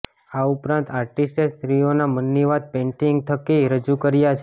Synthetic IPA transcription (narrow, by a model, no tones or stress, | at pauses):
aupɾãnt̪aɾʈisʈest̪ɾionamənːiʋad̪̚pẽɳʈiŋɡ̚t̪ʰəkiɾəd͡ʒukəɾjat͡ʃʰe